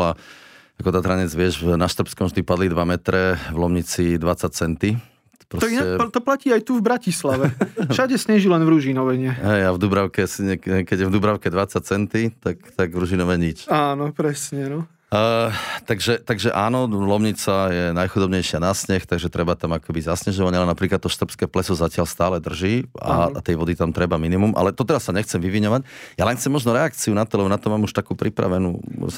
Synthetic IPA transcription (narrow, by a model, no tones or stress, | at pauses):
a | akɔt̪aɦɾaɲɛd͡zʋɪɛʒnaʃt̪r̩pskɔmʒd̪ipad̪lid̪ʋamɛt̪ɾɛvlɔmɲit͡sid̪ʋat͡sat͡sɛnt̪i̥ | pɾɔinaɛt̪ɔplaciːajt̪uvbɾacislaʋɛʃaɟɛsɲɛʒilɛnvɾuʒinɔʋɛɲɛɦɛjavd̪ubɾaʊkɛsɲɛkkɛɟɛ̃vd̪ubɾaʊkɛd̪ʋat͡sac̚t͡sɛnt̪it̪akt̪aɡʋɾuʒinɔʋɛɲit͡ʃaːnɔpɾɛsɲɛnɔ | t̪aɡʒɛt̪aɡʒɛʔaːnɔlɔmɲit͡sajɛnajxud̪ɔbɲɛjʃɪanasɲɛxt̪aɡʒɛt̪ɾɛbat̪amakɛbizasɲɛʒɔʋaɲalɛnapɾiklat̪ːɔʃt̪r̩pskɛːplɛsɔzacɪalst̪aːlɛd̪r̩ʒiːa̰t̪ɛjʋɔd̪it̪amt̪ɾɛbaminimumʔa̰lɛt̪ɔt̪ɛɾasːaɲɛxt͡sɛmʋiʋiɲɔʋacjalɛnxt͡sɛmːɔʒnɔɾɛakt͡siunat̪ɔlɛbɔnat̪ɔmaːmuʃt̪akuːpɾipɾa̰ʋɛnṵː